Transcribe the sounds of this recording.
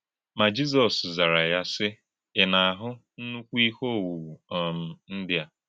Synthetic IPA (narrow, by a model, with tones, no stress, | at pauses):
ma˨d͡ʒi˦z̬ɔ˨sza˨ɾa˨ja˦sɪ˦ | ɪ˨na˨a˨ɦʊ˦n̩˦nu˦kʷu˦i˦ho˦˨wu˨wu˨ɔ˨m̩˨n̩˦dɪ˦a˦